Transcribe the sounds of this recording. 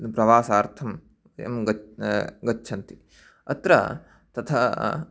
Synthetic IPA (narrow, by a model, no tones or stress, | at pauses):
pɾɐʋaːsaːɾt̪ʰɐm | ɐ̰mɡ | ɡɐːt͡ʃʰɐnt̪i | ɐt̪ɾɐ̰ | t̪ɐt̪ʰɐ